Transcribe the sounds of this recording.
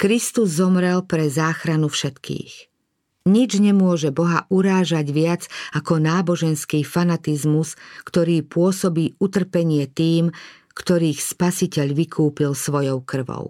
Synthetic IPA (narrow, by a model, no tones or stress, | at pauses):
kɾist̪uzːɔmɾɛlpɾɛzaːxɾanufʃɛt̪kḭːx | ɲid͡ʒɲɛmʊɔʒɛbɔɦaʔuɾaːʒaɟʋɪad͡zakɔnaːbɔʒɛnskiːfanat̪izmuskt̪ɔɾiːpʊɔsɔbiːut̪r̩pɛɲɪɛt̪iːm | kt̪ɔɾiːxspasicɛʎʋikʰuːpilsʋɔjɔʊkr̩ʋɔ̰ʊ